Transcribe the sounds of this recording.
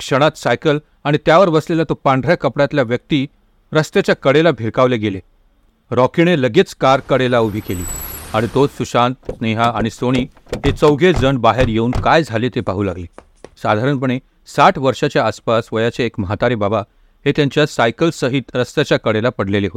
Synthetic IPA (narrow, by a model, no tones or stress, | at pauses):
kʂəɽ̃at̪sajkəl | aɽ̃it̪jaʋəɾʋəslelat̪opãɳɖ̪ʱɾjakəpɽat̪ljaʋjək̚t̪i | ɾəst̪et͡ɕjakəɽelabʱiɾkaʋleɡele | ɾɔkiɽ̃eləɡet͡skaɾkəɽelaubʱiːkeliːaɽ̃it̪osuɕant̪̚sneɦaːɽ̃isoɽ̃iː | ɦet͡səwɡʱed͡zəɳbaɦeɾjeuːnkajd͡zʱaliːt̪epaɦuːlaɡle | sad̪ʱaɾəɳpəɳ̃e | saʈʰʋəɾʂat͡ɕjaəspasʋəjat͡ɕeːkməɦat̪aɾebaba | ɦet̪jãɲt͡ɕjasajkəlsəɦit̪ɾəst̪jat͡ɕjakəɽelapəɽ̤leleɦot̪